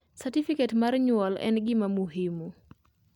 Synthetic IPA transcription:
satifikɛtmarɲwɔlɛ̰nɡɪmamuɦimu

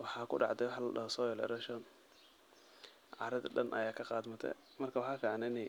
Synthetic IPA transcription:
wɑħɑːkʰʊ̰ɖɑ̰ʕd̪ɛwɑħɑlɐɗɐɦɔsɔːjɛlɛ̰ɾɛʃɔn | ʕɑ̰ːɾɐd̪ɐ̰ɖɐnʔɐ̰jaːkʰɐqɑːd̪mɐt̪ʰɛ̰ | mɐrkʰɐwɑħɑːkʰaʕnɪnɛ

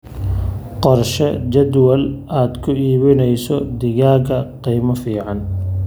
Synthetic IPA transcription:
qɔrʃɛd͡ʒɐd̪wɐlaːd̪kʰʊiːβɪnɛjsɔd̪ɪɣaːɡɐqiːmɐfiːʕɑn

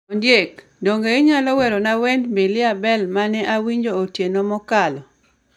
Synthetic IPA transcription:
ɔndjek | doŋɡeɪɲalɔwɛɾonawɛndmbɪlɪabɛlmanɛʔawiɲd͡ʒootjenomɔkalɔ

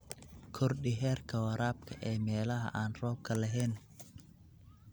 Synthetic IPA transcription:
kʰɔrɗɪɦɛːrkʰɐwɐɾaːb̚kʰɐʔɛːmɛːlɐɦɐ̰ʔaːnrɔːb̚kʰɐlɐɦɛn

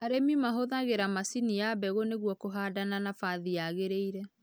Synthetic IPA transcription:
aɾemimaɦoðaɣeɾamasiniabɛɣoneɣwɔkoɦadananafaðiaɣeɾeiɾɛ

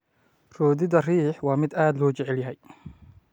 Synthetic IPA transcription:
rɔːðɪðɐriːħwɑːmɪd̪aːd̪lɔʊt͡ʃɛʕɛljɐɦɛj

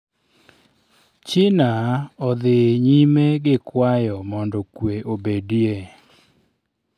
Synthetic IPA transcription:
t͡ʃɪnaɔd̪ɪɲimeɡɪkwajɔmɔndɔkweʔobedie

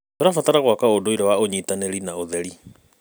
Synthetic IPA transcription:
toɾafataɾaɣwakaodoiɾɛwaoɲitaneɾinaoðɛɾi

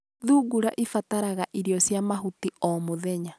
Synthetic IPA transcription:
ðuɡuɾaʔifataɾaɣaʔiɾjɔsjamaɦutiɔmoðɛɲa

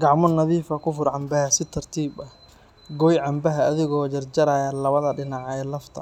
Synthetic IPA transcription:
ɡɑʕmɔnɐðiːfɐkʰʊfʊrʕɑmbɐɦɐsɪt̪ʰɐrt̪ʰiːbɐh | ɡɔjʕɑmbɐɦɐːðɪɣɔːd͡ʒɐrd͡ʒɐɾajɐlɐβɐðɐɖɪnɑʕɛːlɐft̪ʰɐ̰

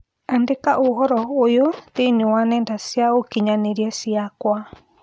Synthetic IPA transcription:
andekaʔohɔɾɔojotenewanɛndasjaokiɲaneɾiasiakwa

